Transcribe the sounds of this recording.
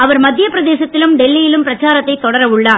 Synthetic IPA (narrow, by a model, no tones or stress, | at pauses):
ɐʋɐɾmɐd̪ʱːjɐpɪɾɐðeːsɐt̪ːɪlɯmɖɛlːɪjɪlɯmpɪɾɐt͡ʃːaːɾɐt̪ːɐɪt̪ːɔɽɐɾɐʊɭːaː